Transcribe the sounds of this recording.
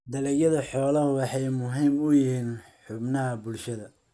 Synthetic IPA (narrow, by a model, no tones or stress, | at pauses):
d̪ɐlɛjɐðɐħɔːlɐhʊwɑħɑjmʊɦiːmʊjɪɦiːnħʊbnɐɦɐbʊlʃɐðɐ